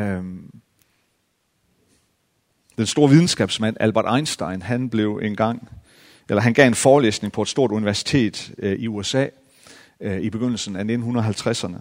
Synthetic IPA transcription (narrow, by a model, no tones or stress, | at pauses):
d̥ensd̥o̝ːɐʋið̞ˠn̩sɡ̥ɛ̰ːb̥smæn̰ælb̥ɐd̥ɑ̈ɪnsd̥ɑ̈ɪnɦænb̥le̝ʊenɡ̥ɑ̈ŋ̰ | elɐɦænɡ̥ɛ̰e̝nfɒːlḛːsne̝ŋpʰɒ̽ed̥sd̥o̝ɐ̰duniʋæɐsi̥t͡sʰe̝̰ːd̥iuesɛ̰ː | ib̥e̝ɡ̥øn̰l̩sn̩æne̝d̥n̩unɐðˠɦælt͡sʰʁasɐnə